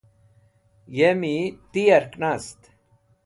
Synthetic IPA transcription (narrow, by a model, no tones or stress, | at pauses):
jemit̪ijɐɾknast̪